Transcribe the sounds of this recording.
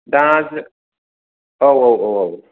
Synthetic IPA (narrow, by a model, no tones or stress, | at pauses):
dãːz | owowowow